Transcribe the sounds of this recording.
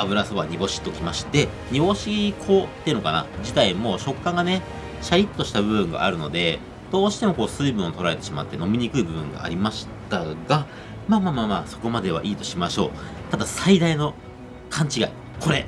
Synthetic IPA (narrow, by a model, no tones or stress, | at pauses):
abɯ̟ɾasoβaɲ̟ibo̞ɕi̥t̪ːokʲimaɕi̥t̪e̞ | ɲ̟ibo̞ɕikʰo̞t̪ːeiɯ̟no̞kana̰d͡ʑit̪aimo̞ːɕo̞kːãŋɡane̞ | ɕaɾʲit̪ːo̞ɕi̥t̪abɯ̟bɯ̟̃ŋɡa̰ʔa̰ɾɯ̟no̞̰d̪e̞ | d̪̥o̞ːɕi̥t̪e̞mo̞ko̞ːsɨiːbɯ̟̃ɰ̃ot̪o̞ɾaɾe̞t̪e̞ɕima̰t̪ːe̞no̞mʲiɲ̟ikɯ̟ibɯ̟bɯ̟̃ŋɡa̰ːɾʲimaɕi̥t̪aɡa | maːmaːmaːmaːso̞ko̞mad̪e̞βa̰ʔiːt̪o̞ɕimaɕo̞̰ːt̪ad̪asaid̪aino̞ | kʰãɲ̟t͡ɕiɡa̰i | kʰo̞ɾe̞